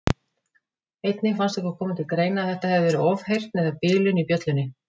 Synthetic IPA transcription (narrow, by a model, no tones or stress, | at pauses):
ejt̪nɪfanst̪ɛhkʏɾkʰɔːmɪt̪ʰɪlkɾeːjnaθɛht̪ahɛvɪvɛːɾɪɔvhejr̥t̪nɛðapɪːlʏnipjœt̪lʏnːɪ